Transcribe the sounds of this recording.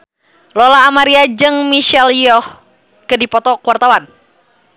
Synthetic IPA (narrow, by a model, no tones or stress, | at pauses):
lɔlaːmaɾiad͡ʒɨŋmiʃɛljɔh | kədipɔt̪ɔkuwart̪awan